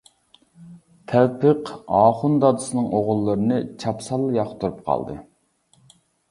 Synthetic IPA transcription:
t̪ʲʰɛlpʰɨqɑːχund̪ɑd̪ɨsɨnɨŋʔoʁʊlˠːəɾɨnɨt͡ʃʰɑpsɑlˠːjɑχt̪ʰuɾup̚qʰɑ̰lˠd̪ɨ̰

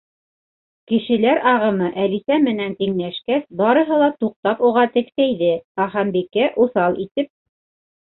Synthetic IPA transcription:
kɘ̆ʃɘ̆læɾɑʁɤ̆mɤʔælisæmɘ̆nænt̪iŋlæʃkæsbɑɾɤ̆ɦɤlˠɑt̪uq̚t̪ɑpuʁɑt̪ɘ̆ksæjðɘɑχɑmbikæʔuθɑlˠit̪ɘp̚

